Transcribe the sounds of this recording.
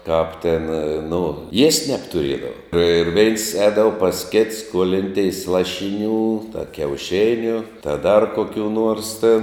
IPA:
kɐp tʲɪn nʊ iɛsʲtʲ nʲɛptʊˈrʲiɛdɐʋɐ ɪr ʋʲɛɪns ˈɛːdɐʋɐ pɐs kʲɪts skuɔlʲɪnʲˈtʲɛɪs ˈlˠɑːʃʲɪnʲuː tɐ kʲɛʊˈʃʲɪnʲʊ tɐ dɐr koːˈkʲuː nuɔrs tʲɪn

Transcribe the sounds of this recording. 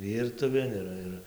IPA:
ˈʋʲiːrtʊʋʲeːn ɪˈrɐ ɪr

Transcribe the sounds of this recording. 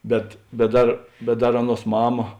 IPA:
ˈbʲɛt bʲɛt ˈdɐr bʲɛt ˈdɐr ˈɑːˌnuɔs ˈmɑːmɐ

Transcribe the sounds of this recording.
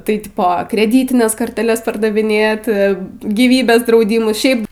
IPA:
tɐɪˈtʲɪpoː krʲɛˈdʲiːtʲɪnʲɛs koːrʲtʲɛˈlʲɛs pɐrdɐʋʲɪˈnʲeːt ɡʲiːˈʋʲiːbʲeːs drɐʊˈdʲiːmʊs ʃʲɛɪp

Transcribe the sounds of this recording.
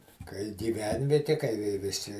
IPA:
kɐɪ ɡʲɪˈʋʲɛnʲʋʲiɛtʲɪ kɐɪ ʋʲɪ ʋʲɪˈsʲɪ

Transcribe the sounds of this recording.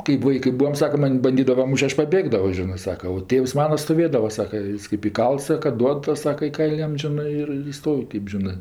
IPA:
kɜp ˈʋɐɪkɜ ˈbuːɐm ˈsɑːkɐ ˈmɐnʲ bɐnʲˈdʲiːdɐʋɐ ˈmuːʃʲtʲ ˈɐʃ pɐˈbʲeːɡdɐʋoː ˈʒʲɪnɜ ˈsɑːkɐ oː ˈtʲeːws ˈmɑːnɐ stoːˈʋʲeːdɐʋɐ ˈsɑːkɐ ˈjɪs kɜp ɪˈkɐlˠts ˈsɑːkɐ ˈduɔt ˈtɐs ˈsɑːkɐ ɪ ˈkɐɪlʲ ˈjɛm ˈʒʲɪnɜ ɪr ɪr ˈjɪs ˈstoːw ˈkɜp ʒʲɪˈnɜ

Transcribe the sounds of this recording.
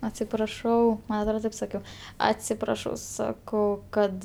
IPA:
ɐtʲsʲɪprɐˈʃɐʊ ˈmɐn ɐtˈroːt ˈtɐɪp sɐˈkʲɛʊ ɐtʲsʲɪprɐˈʃɐʊ sɐˈkɐʊ ˈkɐt

